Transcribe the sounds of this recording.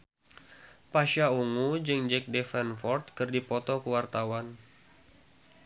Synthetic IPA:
paʃauŋud͡ʒɨŋd͡ʒɛk̚dɛfɛnfɔrt̪kɨrdipɔt̪ɔkəwart̪awan

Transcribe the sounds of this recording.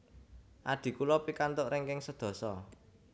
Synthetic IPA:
ʔad̪̥i̤kulɔpikant̪ʊʔɾɪŋkɪŋsəd̪̥ɔ̤sɔ

